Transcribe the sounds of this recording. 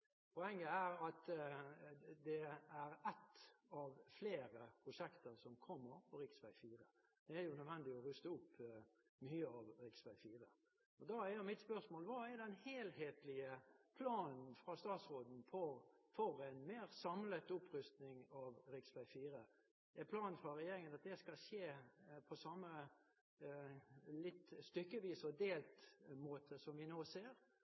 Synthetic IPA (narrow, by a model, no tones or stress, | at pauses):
pʰɔɛŋːəæɾɑt̪ | d̪ɛæɾɛt̪ːɑʋfleːɾəpʰɾʊʂɛkt̪əɾsɔmkʰɔmːəɾpʰɔɾɪksʋæɪfiːɾə | d̪̥ɛæɾjʊnœd̪ʋɛnd̪ɪɔɾʉst̪əʊpː | myːəɑʋɾɪksʋæɪfiːɾə | ɔd̪ɑːæɾjʊmɪt̪spœʁsmoːlʋɑːæɾd̪ɛnheːlheːt̪lɪəpʰlɑːnn̩fɾɑst̪ɑːt̪sɾoːd̪n̩pʰɔfɔɾɛɪnmeːʁsɑmlət̪ʊpʰɾʏst̪nɪŋɑʋɾɪksʋæɪfiːɾə | ɛpʰlɑːnn̩fɾɑɾɛjeːɾɪŋənɑt̪̚d̪ɛskɑʃeːpʰɔsɑmːə | lɪt̪ːst̪ʏkːəʋiːsɔd̪eːlt̪moːt̪ʰəsɔmʋɪnoːseːɾ